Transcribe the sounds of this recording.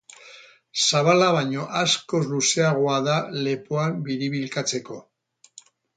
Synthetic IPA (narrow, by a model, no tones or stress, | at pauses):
saβalaβ̞aɲo̞ʔasko̞zluseaɣ̞o̞aðale̞poambiɾiβilkat͡se̞ko̞